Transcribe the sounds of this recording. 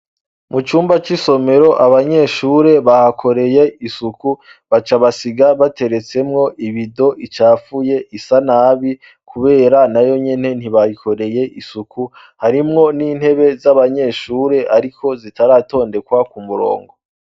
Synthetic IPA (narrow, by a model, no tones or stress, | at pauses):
mut͡ʃuːmbat͡ʃiso̞me̞ɾo̞ʔaβaɲe̞ʃuːɾe̞βahakʰo̞ɾe̞je̞isuku | βat͡ʃaβasiɡaβate̞ɾe̞t͡se̞mŋo̞ʔiβido̞ʔit͡ʃaːfuje̞ʔisanaːβi | kʰuβe̞ːɾanajo̞ɲe̞ne̞n̥iβaikʰo̞ɾe̞je̞ʔisuku | haɾimŋo̞niːnhe̞βe̞zaβaɲe̞ʃuːɾe̞ʔaɾikʰo̞zitaɾaːto̞ːnde̞kwakumuɾo̞̰ːŋɡo̞